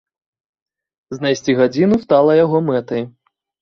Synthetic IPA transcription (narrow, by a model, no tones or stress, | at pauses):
znajsʲt͡sʲiɣad͡zʲinust̪alˠɐjaɣɔmɛt̪ɐj